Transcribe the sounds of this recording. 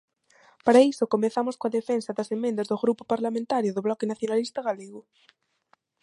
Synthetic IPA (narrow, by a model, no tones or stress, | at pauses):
paɾaisokomeθamʊskoaðefensɐðɐsemẽnd̪ɐzðoɣɾupopaɾlamẽnt̪aɾjʊðoβlɔkenaθjonalist̪ɐɣaleɣʊ